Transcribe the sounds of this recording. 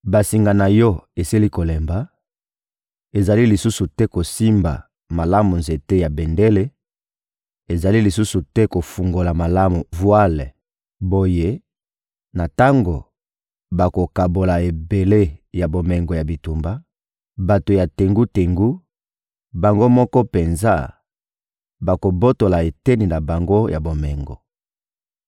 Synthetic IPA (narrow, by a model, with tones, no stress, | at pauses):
ba˨si˨ŋɡa˨na˨jɔ˦e˨si˦li˦ko˨lɛ˨mba˨˦ | e˨za˨li˦li˨su˦su˨tɛ˦ko˨si˦mba̰˨ | ma˨la˦mu˨nze˨te˦ja˨be˨nde˦le˦ | e˨za˨li˦li˨su˦su˨tɛ˦ko˨fu˨ŋɡo˨la˨ma˨la˦mu˨vwa˦l | bo˦je˦ | na˨ta˦ŋɡo˨ | ba˨ko˨ka˨bo˨la˨e˨be˨le˦ja˨bo˨mɛ˨ŋɡo˨ja˨bi˨tu˨mba˦ | ba˨to˨ja˨te˨ŋɡu˦te˨ŋɡu˦ | ba˨ŋɡo˦mɔ˦kɔ˦pe˨nza˦ | ba˨ko˨bo˦to˨la˨e˨te˦ni˨na˨ba˨ŋɡo˦jʔa˨bo˨mɛ˨ŋɡo̰˨